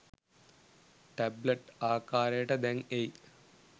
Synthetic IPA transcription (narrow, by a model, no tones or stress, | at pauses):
ʈɐblɐʈaːkaːɾeːʈɐd̪eŋej